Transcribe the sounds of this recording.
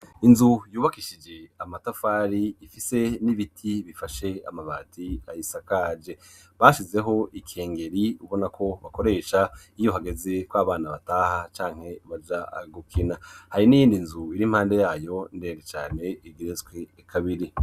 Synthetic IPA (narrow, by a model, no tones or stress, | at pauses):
inzujuːβakiʃid͡ʒe̞amatafaːɾiːfise̞niβitʰiβifaʃe̞a̰maβaːtʰiajisakaːd͡ʒe̞ | βaːʃize̞ɦo̞ʔikʰe̞ːŋɡe̞ɾiuβo̞nakʰo̞βako̞ɾe̞ːʃa | ijo̞ɦaɡe̞ze̞kwaːβaːnaβataːhat͡ʃaːŋ̥he̞βad͡ʒaɡukʰinahaɾinijiːndinzuiɾim̥haːnde̞jaːjo̞ndeːɾet͡ʃaːne̞iɡiɾezɡwe | kʰaβiɾi